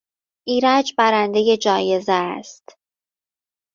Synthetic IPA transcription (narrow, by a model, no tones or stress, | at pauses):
ʔiːɾæd͡ʒbæɾænd̪e̞je̞d͡ʒɒːje̞zest̪